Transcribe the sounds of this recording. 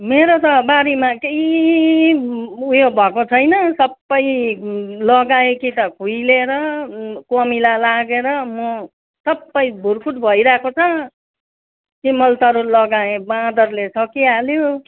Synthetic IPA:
meɾot̪ʌbaɾimakei | ujobʱʌkot͡sʰʌjnʌsʌbːʌj | lʌɡaẽkit̪ʌkʰujleɾʌkomilalaɡeɾʌmʌ | sʌbːʌjbʱurkʰuʈbʱʌjɾakot͡sʰʌ | kimʌlt̪ʌɾulʌɡaẽbãd̪ʌrlesʰʌkialjo

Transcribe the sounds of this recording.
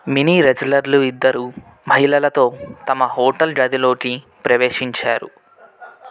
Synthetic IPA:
miniːɾed͡ʒlɐɾluid̪ːɐɾu | mɐɦilɐlɐt̪o̞ːt̪ɐmɐhoːʈɐlɖɐd̪ilo̞ːki | pɾɐʋe̞ːʂiɲt͡ʃaːɾṵ

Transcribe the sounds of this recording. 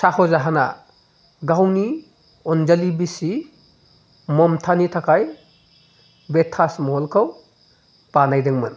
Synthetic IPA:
sahɔzaɦana̰ | ɡawni | ɔnd͡ʒalibisi | mɔmtʰanitʰakʰaj | betʰːasmɔɦɔlkʰaw | panajdɯŋmɯn

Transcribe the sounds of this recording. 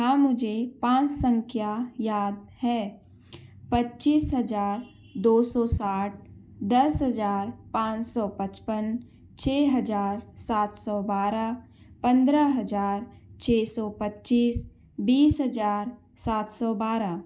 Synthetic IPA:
ɦãːmʊd͡ʒʱepãːt͡ʃsə̃ŋkʰjajaːd̪̚hɛː | pətːt͡ʃiːsɦəd͡ʒaːɾ | d̪oːsɔsaːʈ̚ʰ | d̪ɐsɦəd͡ʒaːɾpãːt͡ʃsɔpət͡ʃpən | t͡ʃʰeːɦəd͡ʒaːɾsaːt̪ʰsɔbaːɾa | pə̃nd̪ɾəɦəd͡ʒaːɾt͡ʃʰeːsɔpətːt͡ʃiːs | biːsɦəd͡ʒaːɾ | saːt̪sɔbaːɾa

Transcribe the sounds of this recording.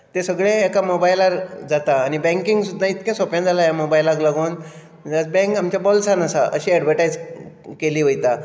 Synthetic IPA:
t̪esəɡɭeːkamobajlaɾd͡zat̪aːñibɛ̃ŋkiŋɡsud̪ʱːãit̪kjãsɔpjãd͡zalajamobajlaɡlaɡoːn | d͡zat͡sbɛ̃ŋkamt͡ɕjabɔlsãnasaʔə̰ɕiɛɖʋəʈajd͡zkeliːʋəjt̪a

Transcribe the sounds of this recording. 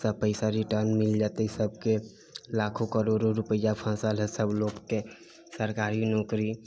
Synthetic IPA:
səpəɪsaɾiʈəɾnmɪld͡ʒat̪esəb̚ʱke | lakʰokəɾoɖoɾupəjapʰə̃salɦɛsəbloɡke | səɾkaːɾinɔːkɾi

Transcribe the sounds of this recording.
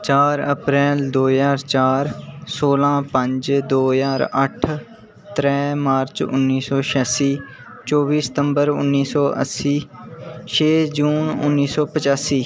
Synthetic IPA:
t͡ʃaːɾəpɾɛːld̪oːjaːɾt͡ʃaːɾsoːlãːpə̃ɲd͡ʒd̪oːjaːɾə̰ʈʰ | t̪ɾɛːmaːɾt͡ʃʊ̰nːiːsɔːʃɛːsiː | t͡ʃɔːbiːsə̥t̪əmbəɾʊ̰nːiːsɔːʔə̰siːʃeːd͡ʒuːnʊ̰nːiːsɔːpət͡ʃaːsiː

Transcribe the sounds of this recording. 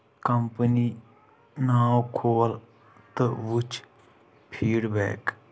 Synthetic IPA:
kəmpəniː | naːwkʰoːl | t̪əʋʊt͡ʃʰ | pʰiːɽbɛ̰ːk

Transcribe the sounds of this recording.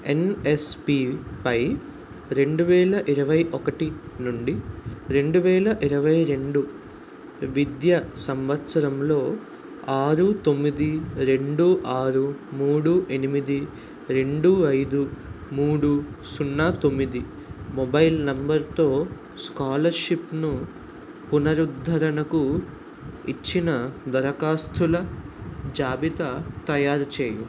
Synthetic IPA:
enespipɐj | ɾe̞ɳɖuʋɛːlɐʔiɾɐʋɐjʔɔkɐʈinuɳɖiɾe̞ɳɖuʋɛːlɐʔiɾɐʋɐjɾe̞ɳɖu | ʋid̪jɐsɐmʋɐt̪sɐɾɐmlo̞ː | aːɾut̪o̞mːid̪iɾe̞ɳɖuʔaːɾumuːɽuʔe̞nimid̪i | ɾe̞ɳɖuɐjd̪u | muːɽusunːaːt̪o̞mːid̪i | mɔbɐjlnɐmbɐɾt̪o̞ː | skaːlɐɾʃipnu | punɐɾud̪ʱːɐɾɐnɐku | it͡ʃːinɐd̪ɐɾɐkaːst̪ʰulɐ | d͡ʒaːbit̪ɐt̪ɐjaːɾt͡ʃeːju

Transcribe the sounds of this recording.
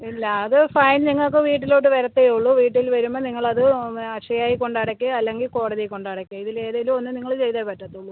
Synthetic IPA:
ilːɐːðɨfɐjnniŋːɐɭk̬ːɨʋiːʈ̬ːilo̞ːʈːɨʋeɾɐt̪ːejuɭːuʋiːʈːilʋɐɾumːɐniŋːɐɭɐðɨɐʂɐjaːjiko̞ɳɖɐɽɐkʲːɨɐlːe̞ŋɡilko̞ːɽɐðijko̞ɳɖɐɽɐkʲːɐiðile̞ːðaːjilumo̞nːɨniŋːɐɭt͡ɕe̞jt̪ɐpɐtːɐt̪ːuɭːu

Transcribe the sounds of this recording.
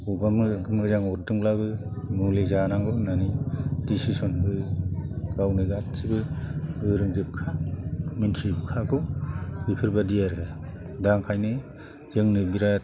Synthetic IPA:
ubamɡɯmɾɯzaŋɔɾdɯŋlabɯmulizanaŋɡɯnanidisisɔnbɯ | ɡ̥awnɯɡatsibɯɡɯɾɯŋzɯp̚kʰaminsʰibkʰakɔbipʰɯɾbadijaɾɯdaŋkʰajnɯ | zɯŋnɯbiɾa

